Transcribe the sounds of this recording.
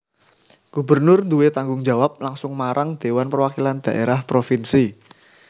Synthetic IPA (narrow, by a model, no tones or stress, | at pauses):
ɡ̥ubərnʊrnd̪uwet̪aŋɡʊŋd͡ʒa̤wap̚laŋsʊŋmaɾʔaŋd̪̥e̤wanpərwakiland̪̥a̤ʔeɾahpɾofinsi